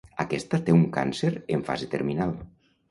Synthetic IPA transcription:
akɛst̪at̪euŋka̰nseɾeɱfa̰zet̪eɾminalˠ

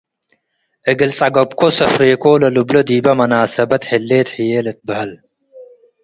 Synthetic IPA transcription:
ʔɨɡɨlt͡sʼɐɡɐbkosɐfɾeːkoːlɐlublod̪iːbɐmɐnaːsɐbɐt̪hɪlːeːt̪ħijeːlɐt̪̚bɐhɐl

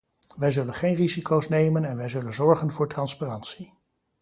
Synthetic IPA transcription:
ʋɛjzɵlənχejnrizikowsnejmənɛnʋɛjzɵlənzɔɹχənvʊːɹtrɑnsparɑntsi

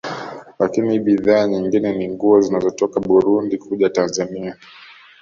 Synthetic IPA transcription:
lakinihiɓiðaːɲiŋɡinɛniŋɡuɔzinazɔtɔkaɓuɾundikʰuʄatanzania

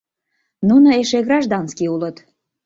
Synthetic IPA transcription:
nunəeʃeɣɾɑʒd̪ɑnskiulət̪

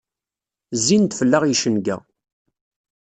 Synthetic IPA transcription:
zːint̪fəlːaʁjiʃənɡæ̰

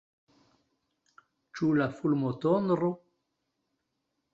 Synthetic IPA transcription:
t͡ʃulafulmot̪onɾo

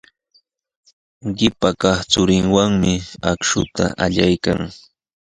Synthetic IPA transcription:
ɢɪpakɑχt͡sʊɾɪŋwaŋmɪakʃʊt̪a̰ʔaʎajkaŋ

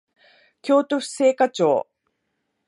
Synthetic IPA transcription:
kʲo̞ːt̪oɸ̟seːkat͡ɕo̰ː

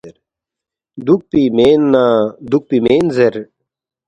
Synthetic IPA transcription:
eɾ | d̪uk̚pimeːnːaːd̪uk̚pimeːnzeɾ

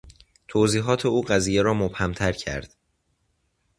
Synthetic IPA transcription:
t̪ʰoːziːɦɒːt̪ʰe̞uːɢæziːjeɾɒːmob̥hæmt̪ʰæɾcʰæ̰ɾd̪̥

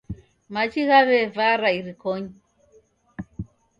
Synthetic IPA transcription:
mat͡ʃiɣaβɛvaɾaiɾikoɲi

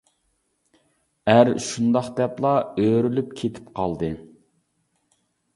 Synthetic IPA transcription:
æɾʃund̪ɑχd̪ɛplˠɑøɾylypkʲʰet̪ʰɪ̥pqʰɑlˠd̪ɨ

